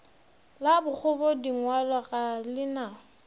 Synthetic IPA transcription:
labʊk͡xʰʊbɔdiŋwalwaɣalɪna

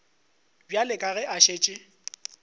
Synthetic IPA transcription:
bjalɪkʼaɣɛʔaʃeːt͡ʃʼɪ

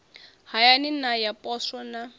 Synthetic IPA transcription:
hajaninajapʼɔsɔna

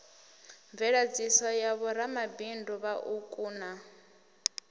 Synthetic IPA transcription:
ɱvɛɺad͡zisɔjaβɔɾamabinduβaʔukʼuːna

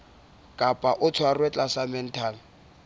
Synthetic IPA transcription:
kʼapʼaʔʊt͡sʰwarwɛt͡ɬʼasamɛn̩tʰaːl

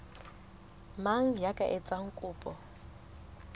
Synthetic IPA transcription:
maŋ̩jakʼaʔɛt͡sʼaŋ̩kʼʊːpʼɔ

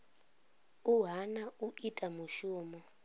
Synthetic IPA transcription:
uɦanauʔitʼamuʃuːmɔ

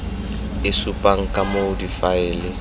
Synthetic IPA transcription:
ɪsupʼaŋ̩kʼamodifaɪːlɪ

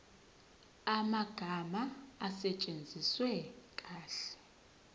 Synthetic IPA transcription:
amaɡ̥ʱamaːsɛt͡ʃʼend͡zʱiswɛkʼaːɬɛ̥

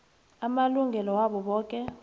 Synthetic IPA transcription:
amaluŋɡʱɛlɔwaɓɔɓɔːkʼɛ

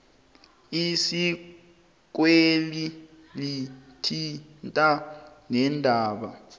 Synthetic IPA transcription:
isi | k̬weli | litʰintʼanɛndʱaːɓa

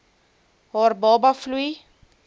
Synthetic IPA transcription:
ɦɔːrbɔːbɐfluj

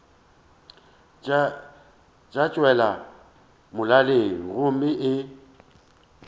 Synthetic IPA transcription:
t͡ʃʼat͡ʃʼwɛla | mʊlaleŋ̩ɣʊmɪʔɪ

